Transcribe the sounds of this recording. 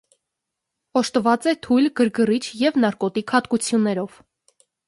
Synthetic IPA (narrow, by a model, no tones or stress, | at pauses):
ɔʃt̪vɑt͡sɛt̪ʰujlɡəɾɡərit͡ʃʰjɛvnɑɾkɔt̪ikʰhɑt̪kut͡sʰjunːɛɾɔv̥